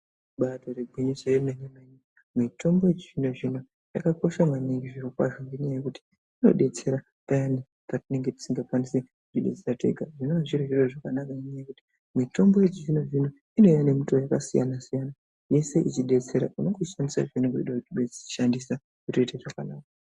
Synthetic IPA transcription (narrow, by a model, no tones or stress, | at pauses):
ɓato̞ɾeɡʱwiɲisojemenemeɲi | mitʰo̞mbo̞jet͡ʃiʐino̞ʐino | ja̰kako̞ʃamaniŋɡiʐirokwa̰ʐoŋɡiɲajajekuti̥ | ino̞̰ɗe̞t͡se̞ɾa | pajani | patine̞ŋɡe̞ti̥siŋɡakwanisekuʐiɗe̞t͡seɾate̞̰ɡʱaʐinoaʐiɾiʐiɾoʐakanakaniɲajekuti̥ | mito̞mbo̞je̞t͡ʃiʐino̞ʐino̞ | ino̞jane̞mutojakasija̰nasijana | je̞se̞ʔit͡ʃiɗe̞t͡se̞ɾa̰ʔunoɡuʃandisa̰ʐineŋɡoiɗakutiɓeiʃandisa | kutoiteʐakanaːka